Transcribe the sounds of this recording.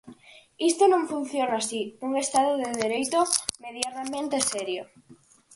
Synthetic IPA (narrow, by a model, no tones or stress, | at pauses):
ist̪onõŋfun̟θjonasiuŋest̪aðoðeðeɾejt̪omeðjanamẽnt̪esɛɾjo